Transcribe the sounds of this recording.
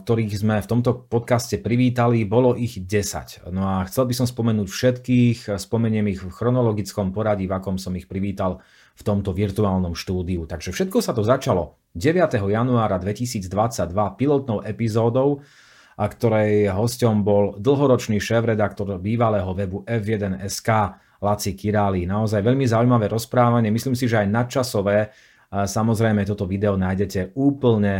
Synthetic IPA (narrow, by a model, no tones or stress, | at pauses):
k̚t̪ɔɾiːɣzmɛft̪ɔmt̪ɔpɔt̪kascɛpɾiʋiːt̪alibɔlɔʔiɣɟɛsa̰cnɔaxt͡sɛlbisɔmspɔmɛnuːcfʃɛt̪kiːxspɔmɛɲɪɛmixfxɾɔnɔlɔɡit͡skɔmpɔɾaɟivakɔmsɔmixpɾiʋiːt̪al | ft̪ɔmt̪ɔʋiɾt̪uaːlnɔmʃt̪uːd̪iut̪aɡʒɛfʃɛt̪kɔsat̪ɔzat͡ʃalɔ | ɟɛʋɪat̪ɛɦɔjanuaːɾad̪ʋɛcisiːd͡zd̪ʋat͡saɟ̚d̪ʋapilɔt̪̚nɔʊʔɛpizɔːd̪ɔʊ | akt̪ɔɾɛjɦɔscɔmbɔld̪l̩ˠɦɔɾɔt͡ʃniːʃɛːfɾɛd̪akt̪ɔɾbiːʋalɛːɦɔʋɛbuʔɛfjɛd̪ɛnɛskaː | lat͡sikiɾaːlinaɔzajʋɛʎmizaujmaʋɛːɾɔspɾaːʋaɲɪɛmisliːmsiʒɛajnat̪̚t͡ʃasɔʋɛː | samɔzɾɛjmɛt̪ɔt̪ɔʋid̪ɛɔnaːjɟɛcɛuːpl̩ɲɛ